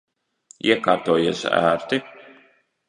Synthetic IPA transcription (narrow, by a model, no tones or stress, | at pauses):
iɛkaːɾt̪uːjiɛsæ̰ːɾt̪i